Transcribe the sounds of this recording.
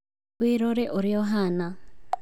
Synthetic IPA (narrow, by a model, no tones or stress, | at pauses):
wiɾoɾeʔoɾijoɦana